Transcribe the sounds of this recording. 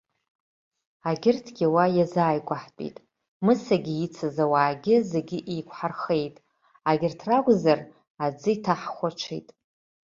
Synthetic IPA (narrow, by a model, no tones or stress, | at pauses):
aɡʲɪrtʰɡʲɪwajazaːjɡʷaħt͡pʼḭtʼ | mɨsaɡʲɪit͡sʰazawaːɡʲɪze̞ɡʲɪʔikʷʰʼħarχe̞jtʼ | aɡʲɪrtʰraɡʷʼzar | ad͡zɨitʰaħχʷaʈ͡ʂʷʰḭjtʼ